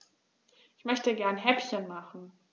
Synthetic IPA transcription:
ʔɪçmœçtəɡɛɐnɦɛpçənmaχn̩

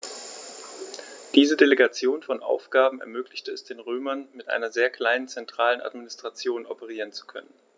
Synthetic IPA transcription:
d̥iːzədeleɡat͡sjoːnfɔnʔa̰ʊfɡ̥aːbm̩ɛ̰ɐmøːklɪçtəɛsd̥eːnʁøːmɐnmɪtʔa̰ɪnɐzeːɐkl̥aɪnənt͡sɛntʁ̥aːləna̰tminɪstʁ̥at͡sjoːnɔpəʁ̞iːʁənt͡su̥kʰœnən

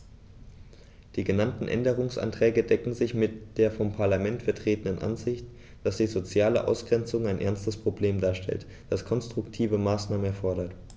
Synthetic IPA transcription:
d̥iːɡənantn̩ʔɛ̰ndəʁ̞ʊŋsʔa̰ntʁ̥ɛːɡədɛkŋ̩zɪçmɪtd̥eːɐfɔmpʰaɐlamɛntfɛɐtʁ̥eːtənənʔa̰nzɪçt | d̥asd̥iːzot͡sjaːlə̰ʔa̰ʊsɡ̥ʁɛnt͡sʊŋaɪnʔɛɐnstəspʁ̥obleːmdaːɐʃtʰɛ̰lt | d̥askʰɔnstʁ̥ʊktʰiːvəmaːsnaːmənɛɐfɔɐdɐt

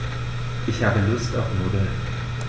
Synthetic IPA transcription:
ʔɪçhaːbəlʊstaʊfmodə

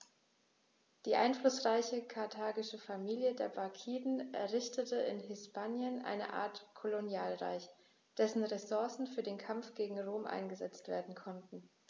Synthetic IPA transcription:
d̥iːʔa̰ɪnflʊsʁ̥aɪçəkʰaɐtʰaːɡɪʃəfamiːljədeːɐbakʰiːdn̩ʔɛ̰ɐʁɪçtʰətʰəɪ̰nɦɪspaːnjənʔa̰ɪnə̰ʔa̰ːɐtkʰolonjaːlʁa̰ɪç | d̥ɛsn̩ʁesʊɐsn̩fyːɐdeːnkʰamfɡ̥eːɡŋ̩ʁoːmʔa̰ɪnɡəzɛt͡stv̥ḛːɐdn̩kʰɔntn̩

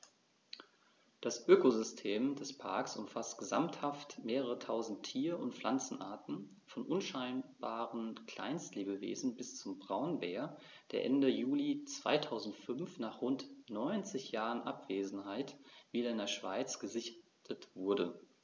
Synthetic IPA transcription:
d̥asʔøːkozʏstʰeːmdɛspʰa̰ɐksʔʊmfastɡ̥əza̰mthaftmeːʁəʁətʰaʊzn̩tʰːiːɐʊntfl̥ant͡sn̩ʔa̰ːɐtn̩ | fɔnʔʊnʃaɪnbaːʁənkl̥a̰ɪnstleːbəvḛːzn̩bɪst͡sʊmbʁaʊnbeːɐ | d̥eːɐʔɛndəjuːlit͡sv̥a̰ɪtʰaʊzn̩tfʏnfnaːχʁʊntnɔʏnt͡sɪçjaːʁənʔapv̥eːzn̩ɦaɪtv̥iːdɐɪndeːɐʃv̥aɪt͡sɡ̥əzɪçtʰətv̥ʊɐdə

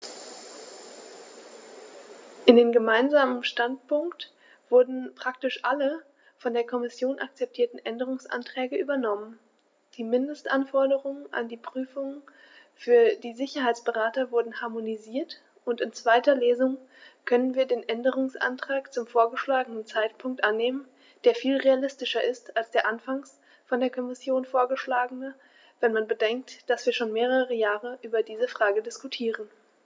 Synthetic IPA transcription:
ʔɪndeːnɡəmaɪnzaːməmʃtantpʰʊŋkt | v̥ʊɐdn̩pʁ̥ak̚tɪʃʔalə | fɔndeːɐkʰɔmɪsjoːnʔa̰k̚t͡sɛp̚tʰiːɐtn̩ʔɛndəʁ̞ʊŋsʔa̰ntʁ̥ɛːɡəʔyːbɐnɔmən | d̥iːmɪndəstʔanfɔɐdəʁʊŋənʔa̰ndiːpʁ̥yːfʊŋən | fyːɐdiːzɪçɐɦaɪt͡sb̥əʁaːtɐvʊɐdn̩haɐmoniziːɐt | ʊntɪnt͡sv̥aɪtɐleːzʊŋ | kʰœnənviːɐdeːnʔɛndəʁ̞ʊŋsʔa̰ntʁ̥aːkt͡sʊmfoːɐɡəʃlaːɡənənt͡saɪtpʰʊŋk̚tʔanːeːmən | d̥eːɐfiːlʁealɪstɪʃɐʔɪstalsd̥eːɐʔanfaŋs | fɔndeːɐkʰɔmɪsjoːnfoːɐɡəʃlaːɡənə | vɛnmanbədɛŋk̚td̥asv̥iːɐʃoːnmeːʁ̞əʁəjaːʁəʔyːbɐdiːzəfʁ̥aːɡədɪskutʰiːʁən

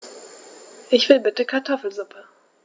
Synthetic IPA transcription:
ʔɪçv̥ɪlbɪtəkʰaɐtʰɔfl̩zʊpʰə

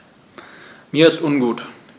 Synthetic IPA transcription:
miːɐɪstʊnɡuːt

